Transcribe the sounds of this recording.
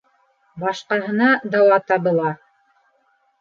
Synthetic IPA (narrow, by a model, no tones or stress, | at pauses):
bɑʃqɑɦɤ̆nɑd̪ɑwɑt̪ɑβɤ̆lˠɑ